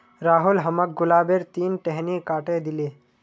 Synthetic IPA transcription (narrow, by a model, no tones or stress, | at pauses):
ɾaːɦʊlɦɐmək̚ɡʊlaːbeɾt̪iːnʈɛɦnikaːʈẽd̪ɪleː